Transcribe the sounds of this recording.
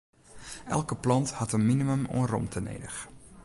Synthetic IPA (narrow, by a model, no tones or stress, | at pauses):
ʔɛlˠkəplɑnthɑtənminiməmoərɔ̰mtʰənḛːdəx